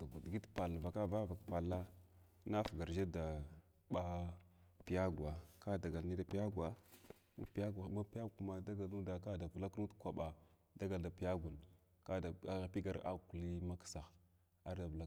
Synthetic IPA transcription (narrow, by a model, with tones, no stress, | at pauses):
dɡu˨dɡi˦tpa˨lva˨ka˦va˦va˨kpa˨la˦ | na˦fɡa˨ɾd͡ʒa˦da˨ | ɓa˦ | pi˨˦ja˦ɡwa˨ka˦da˨ɡa˨lni˦da˨pi˦ja˦ɡa˦ | ṵ˦pi˦ja˦ɡa˨˦ma˦pi˦ja˦ku˦ma˨da˦ɡa˨lnu˦da˨ka˦˨da˨vla˦knu˦dkʷa˨ɓa˨ | da˦ɡa˨lda˨pi˦ja˦ɡu˨n | ka˦da˨a˦˨pi˦ɡa˨ɾa̰˦ku˨li˦ma˦ksa˨x | a˦ɾda˨vla˦